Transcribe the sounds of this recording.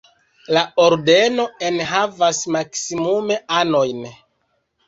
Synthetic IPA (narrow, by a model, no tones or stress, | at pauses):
laoɾde̞no̞enɦavasmaksimume̞ano̞jn